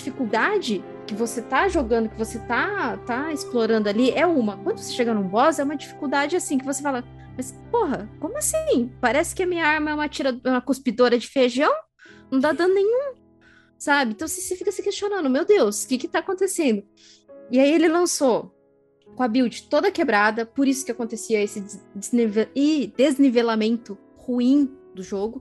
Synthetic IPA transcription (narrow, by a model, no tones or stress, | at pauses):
fikuwd̪ad͡ʒɪ | kɪvoset̪aʒoɡɐ̃nd̪ʊkɪvoset̪at̪aɪsploɾɐ̃nd̪ʊaliɛũmɐkwɐ̃d̪ʊvoseʃeɡanũbɔzɛũmɐd͡ʒifi̥kuwd̪ad͡ʒɪasĩk̬ɪvosefalɐ | mɐspoɦɐkõmʊasĩpaɾɛsɪ̥kɪɐmĩɲɐaɾmɐɛũmɐt͡ʃiɾɐɛũmɐkospid̪oɾɐd͡ʒɪfeʒiɐ̃w̃ | nɐ̃w̃t̪ad̪ɐ̃nd̪ʊnẽɲ̃ũ | sabɪẽt̪ɐ̃w̃sɪsɪfikɐsɪkest͡ʃõnɐ̃nd̪ʊmewd̪ewskɪkɪt̪aːkõnt̪esẽnd̪ʊ | ɪaielɪlɐ̃so | kõɐbiwd͡ʒɪt̪od̪ɐkebɾad̪ɐpoɾisʊ̥kɪakõnt̪esiɐesɪɪzniveɪd̪eznivelamẽnt̪ʊ | huĩd̪ʊʒoɡʊ